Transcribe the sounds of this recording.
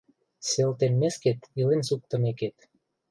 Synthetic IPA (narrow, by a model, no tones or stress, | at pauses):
selt̪enmesket̪ilensuk̚t̪ə̆meket̪